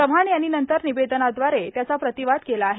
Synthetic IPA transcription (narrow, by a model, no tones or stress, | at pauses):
əʋ̤aɳjanːinənt̪əɾnibed̪ənad̪ʋaɾet̪jat͡sapɾət̪iʋad̪kelaːɦe